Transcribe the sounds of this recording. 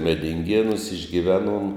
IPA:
mʲɛdʲɪŋʲˈɡʲeːnuːs ɪʒʲɡʲɪˈʋʲæːˌnuɔm

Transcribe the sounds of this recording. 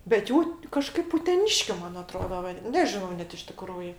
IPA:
bʲɛt ˈjuː tʲɪ kɐˈʃkɐɪp ʊtʲɛˈnʲɪʃʲkʲʊ ˈmɐn ɐˈtroːdɐ ˈʋɐ ˈnʲæːʒʲɪnɐʊ ˈnʲɛt ɪʃ tʲɪˈkruːjɪ

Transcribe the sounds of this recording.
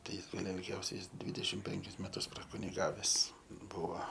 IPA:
tɐɪ ˈjɪs ˈɡɐlˠ ɪlʲˈɡʲɛʊsʲɛɪ ˈjɪs ˈdʲʋʲɪdʲɛʃʲɪm ˈpʲɛŋʲkʲɪs mʲɛˈtʊs prɐkʊnʲɪˈɡɑːʋʲɛs ˈbʊʋɐ

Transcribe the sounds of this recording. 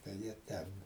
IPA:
tɐɪ ˈjiɛ ˈtʲɛn

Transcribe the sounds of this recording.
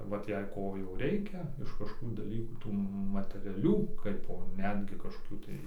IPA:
ˈʋɐt jɛɪ ˈkoː jɛʊ ˈrʲɛɪkʲɛ ɪʃ kɐʃkoːˈkuː dɐˈlʲiːkuː ˈtuː mɐtʲɛˈrʲæːlʲuː ˈkɐɪpoː ˈnʲæːdʲɡʲɪ kɐʃkoːˈkʲuː tɐɪ

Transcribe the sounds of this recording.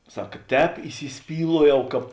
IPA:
ˈsɐk ˈtʲɛːp iːsʲɪˈsʲpʲiːlˠuɔjɛʊ ˈkɑːp

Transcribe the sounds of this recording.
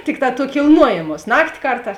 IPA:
ˈtʲɪkˌtɑː tuɔ kʲɪlˠˈnuɔjeːmuɔs ˈnɑːktʲɪ ˈkɐrˌtɑːs

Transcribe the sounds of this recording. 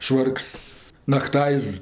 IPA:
ˈʃʋɐrks nɐkˈtɐɪs

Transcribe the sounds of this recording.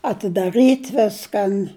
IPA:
ɐtʲɪdɐˈrɨtʲ ˈʋʲɪskɐn

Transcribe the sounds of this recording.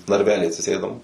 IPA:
nɐrʲˈʋʲæːlʲiː ɐtʲsʲɪˈsʲeːdoːm

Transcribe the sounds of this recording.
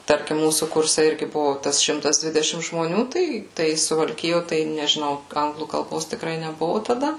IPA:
ˈtɐrʲkʲɪm ˈmuːsuː ˈkʊrʲsʲɛ ˈɪrʲɡʲɪ ˈbʊʋoː ˈtɐs ˈʃʲɪmtɐs ˈdʲʋʲɪdʲɛʃʲɪm ʒmoːˈnʲuː ˈtɐɪ ˈtɐɪ sʊʋɐlʲˈkʲɪjoː ˈtɐɪ nʲɛʒʲɪˈnɐʊ ˈɐŋɡlˠuː kɐlˠˈboːs tʲɪkˈrɐɪ nʲɛˈbʊʋʊ tɐˈdɐ

